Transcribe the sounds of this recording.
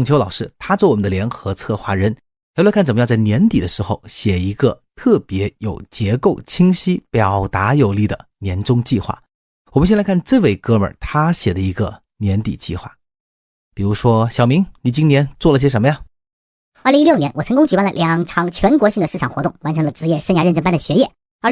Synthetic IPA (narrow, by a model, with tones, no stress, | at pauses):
ʊ˩ŋt͡ɕʰo˧˥lɑ˨˩ʊʂɻ̩˥˧t̪ʰa˥t͡swɔ˥˩wmə˦nd̪ə˧ljɛ˧˥nxɤ˧˥t͡sʰɤ˥˧xwa̰˥˩ɻə˧˥n | jo˧˥la˥kʰt͡sə˨˩mə˧jt͡sa˥˩ɪnjɛ˧˥nt̪i˨˩d̪ə˦ʂɻ̩˧˥xo˥˧ʊɕjɛ˨˩i˧˥ɡə˧t̪ʰɤ˥˩pjɛ˧˥jo˨˩ʊt͡ɕjɛ˧˥ko˥˧˩ʊt͡ɕʰi˥ŋɕi˥pjɑ˨˩ʊt̪a˧˥jo˨˩ʊli˥˩d̪ə̰˩njɛ˧˥nʈ͡ʂʊ˥ŋt͡ɕi˥˧xwa̰˥˩ | wɔ˨˩mə˦nɕɛ˥˧lkʰa˥˩nt͡se˥˧ɪwe˥˩ɪkɤ˥mə̰˞˨˩t̪ʰa˥ɕjɛ˨˩d̪ə˦i˧˥ɡə˧ | njɛ˧˥nt̪ḭ˨˩t͡ɕḭ˥˧xwa̰˥˩ | pi˨˩ɻu˧˥ʂwɔ˥ɕjɑ˨˩ʊmi˧˥ŋni˨˩t͡ɕi˥ŋnjɛ˧˥nt͡swɔ˥˩lə˩i˥˩ɕɛ˥ʂə˧˥mə˧ja˨˧ | ə˞˥˩li˧˥ŋi˥jo˥˩ʊnʲjɛ˧˥nwɔ˨˩t͡sʰɤ˧˥ŋkʊ˥ŋt͡ɕy˨˩pa˥˩nlə̰˨˩lʔjɑ˨˩ŋʈ͡ʂʰɑ˧˥ŋt͡ɕʰɥɛ˧˥nkwɔ˧˥ɕi˥˩ŋd̪ə˩ʂɻ̩˥˩ʈ͡ʂʰɑ˨˩ŋxwɔ˧˥t̪ʊ˥˩ŋwa˧˥nʈ͡ʂʰɤ˧˥ŋlə˧ʈ͡ʂɻ̩˥jɛ˥˧ʂə˥nja˧˥ɻə˥˩nʈ͡ʂə˥npa˥nd̪ə˨ɕɥɛ˧˥jɛ˥˩ | ə˞˥˩